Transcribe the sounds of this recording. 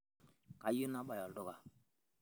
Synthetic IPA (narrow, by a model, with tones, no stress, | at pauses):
ka˨ju˦na˦ɓa˨jɔ˨ldɔ˦˨ɡa˨